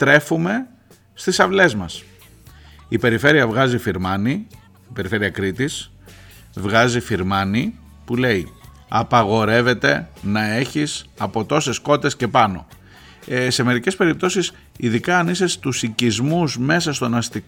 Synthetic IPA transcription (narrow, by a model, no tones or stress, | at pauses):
t̪ɾe̞fume̞ | st̪isɐvle̞zmɐs | ipe̞ɾife̞ɾiɐvɣɐzifiɾmɐni | ipe̞ɾife̞ɾiɐkɾit̪is | vɣɐzifiɾmɐni | pule̞i | ɐpɐɣo̞ɾe̞ve̞t̪e̞nɐe̞çisɐpo̞t̪o̞se̞sko̞t̪e̞sce̞pɐno̞̰ | se̞me̞ɾice̞spe̞ɾip̚t̪o̞sis | iðikɐːnisest̪usicizmuzme̞sɐst̪o̞nɐst̪i